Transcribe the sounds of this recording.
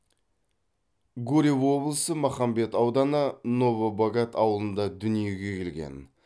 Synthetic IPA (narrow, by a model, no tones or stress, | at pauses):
ɡuɾʲiwwo̞blˠəsəmɑχɑmbe̞t̪ɑwd̪ɑnəno̞vobaɡat̪ʰɑwəlˠənd̪ɑd̪ʏnije̞ɡʲe̞kʲʰe̞lɡʲe̞̰n